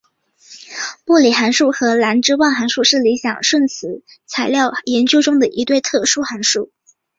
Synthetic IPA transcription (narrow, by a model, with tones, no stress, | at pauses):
pu˥˩li˨˩xa˧˥nʂu˥˩xɤ˧˥la˧˥nʈ͡ʂɻ̩˥wa˥˩nxa˧˥nʂu˥˧ʂɻ̩˥˩li˧˥ɕjɑ˨˩ŋʂwə˥˩nt͡sʰɹ̩˧˥ | t͡sʰa˨˩ɪljɑ˥˩ʊjɛ˧˥nt͡ɕjo˥ʊʈ͡ʂʊ˥ŋd̪ə˨ʔi˧˥t̪we˥˧ɪt̪ʰɤ˥˩ʂu˥xa˧˥nʂu˥˩